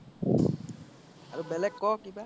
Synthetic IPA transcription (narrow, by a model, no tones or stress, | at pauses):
aɹubɛlɛkːɔkiba